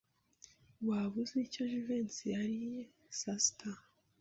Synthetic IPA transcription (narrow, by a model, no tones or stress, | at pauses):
waβuzicoʒuvensiaɾi | sastʰa